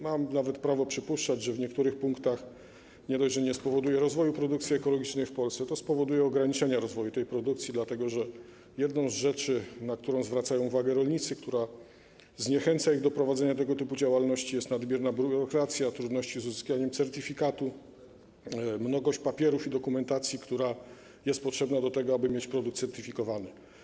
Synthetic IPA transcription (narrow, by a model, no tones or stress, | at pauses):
mamnavɛt̪pɾavɔpʂɘpuʂt͡ʂad͡ʑʐɛvɲɛkt̪uɾɘxpuŋkt̪ax | ɲɛd̪ɔjʐɛɲɛspɔvɔd̪ujɛɾɔzvɔjupɾɔd̪uk̚t̪sʲjɛɛkɔlɔɡʲit͡ʂnɛjfpɔlsɛt̪ɔspɔvɔd̪ujɛɔɡɾaɲit͡ʂɛɲaɾɔzvɔjut̪ɛjpɾɔd̪ukt̪sʲjid̪lat̪ɛɡɔʐɛ | jɛd̪nɔ̃w̃zʐɛt͡ʂɘnak̚t̪uɾɔ̃w̃zvɾat̪sajɔ̃w̃uvaɡɛɾɔlɲit̪sɘkt̪uɾa | zɲɛxɛnt̪saiɣd̪ɔpɾɔvad̪zɛɲat̪̬ɛɡɔt̪ɘpud͡ʑawalnɔɕt͡ɕijɛst̪nad̪bʲjɛɾnabʲuɾɔkɾat̪sʲjat̪ɾud̪nɔɕt͡ɕizuzɘskʲaɲɛmt̪sɛɾt̪ifʲikat̪u | mnɔɡɔɕt͡ɕpapʲjɛɾufid̪ɔkumɛnt̪at̪sʲjikt̪uɾa | jɛst̪̚pɔtʂɛbnad̪ɔt̪ɛɡɔabɘmʲjet͡ɕpɾɔd̪uk̚t̪sɛɾt̪ifʲikɔvanɘ